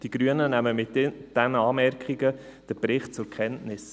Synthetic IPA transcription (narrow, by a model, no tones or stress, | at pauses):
d̥iɡ̥ɾyənənæməmɪtd̥ɛnəɑːmɛɾkiɡə | d̥əpɾɪχtt͡sʊɾkχɛntnɪs